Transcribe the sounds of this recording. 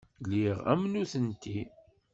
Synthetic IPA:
liʁæ̰mnuθənt̪i

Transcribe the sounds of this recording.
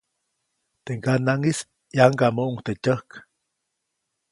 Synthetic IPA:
t̪eŋɡanaŋis | jaŋɡamoʔuŋt̪et͡ʃʲəhk

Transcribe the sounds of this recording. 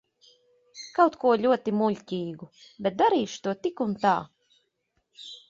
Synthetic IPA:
kawt̪kuɔlʲuɔt̪imulʲcʲiːɡubɛt̪̚d̪aɾiːʃu̥t̪uɔt̪ikunt̪a̰ː

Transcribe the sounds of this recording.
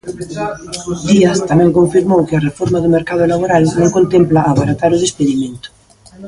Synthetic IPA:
d̪iast̪amɛ̃ŋkoɱfiɾmowkɪɐrefoɾmaðʊmeɾkað̞ʊlaβoɾalnõŋkont̪emplaʔːβaɾat̪aɾʊðespeðimẽnt̪ʊ̥

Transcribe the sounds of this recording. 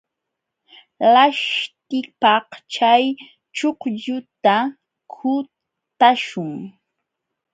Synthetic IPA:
laʃt̪ɪpɑht͡ʃaj | t͡ʃoqʎʊt̪a | kʰʊ | t̪aʃʊŋ

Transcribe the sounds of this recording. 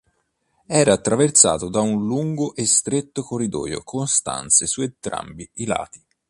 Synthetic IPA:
ɛːɾaːt̪ːɾavert̪sa̰ːt̪od̪aunluŋɡoʔest̪ɾet̪ːokorːid̪ɔ̰ːjo̰kʰonst̪a̰nt̪sesuent̪ɾa̰mbiila̰ːt̪i̥

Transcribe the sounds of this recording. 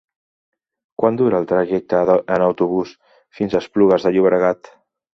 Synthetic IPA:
kwand̪uɾəːlˠt̪ɾəʒɛk̚t̪əðənəwt̪uβ̞us | finzəspluɣəzðəʎuβɾəɣat̪

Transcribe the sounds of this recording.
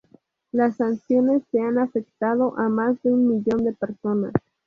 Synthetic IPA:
lasːansjo̞ne̞sːe̞anafe̞kt̪að̞o̞ʔamazd̪eunmiʝo̞nd̪e̞peɾso̞na̰s

